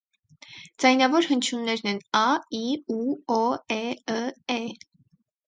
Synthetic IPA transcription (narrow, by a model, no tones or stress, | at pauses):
d͡zɑjnɑvɔɾhənt͡ʃʰunːɛɾnɛnɑiuɔɛəɛ